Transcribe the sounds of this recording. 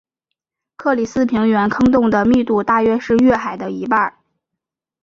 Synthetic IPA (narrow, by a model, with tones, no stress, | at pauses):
kʰɤ˥˩li˨˩sɹ̩˥pʰi˧˥ŋɥɛ˧˥nkʰɤ˥ŋt̪ʊ˥˩ŋd̪ə˩mi˥˧t̪u˥˧t̪a˥˧ɥɛ˥ʂɻ̩˥˧ɥɛ˥˩xa˨˩ɪd̪ə˦i˧˥pa˥˩